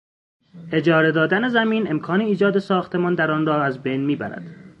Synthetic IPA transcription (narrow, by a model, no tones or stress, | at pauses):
ʔe̞d͡ʒɒːɾed̪ɒːd̪ænezæmiːne̞mkʰɒːneiːd͡ʒɒːd̪esɒːxt̪ʰe̞mɒːnd̪æɾɒːnrɒːæzbe̞jnmiːbæ̰ɾæ̰d̪̥